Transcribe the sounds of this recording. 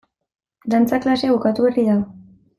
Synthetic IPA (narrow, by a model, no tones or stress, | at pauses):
d̪ant͡saklase̞βukat̪uβeriða